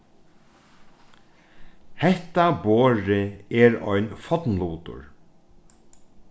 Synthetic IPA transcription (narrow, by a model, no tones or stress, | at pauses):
hɛht̪aboːɹɪɛɾɔ̰jnfɔt̪nluːt̪ʊ̰ɹ